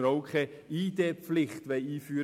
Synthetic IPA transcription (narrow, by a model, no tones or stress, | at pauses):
ɾoʊkʰe | iːd̪eːpflɪχt̪ʋeɪiːfyːɾ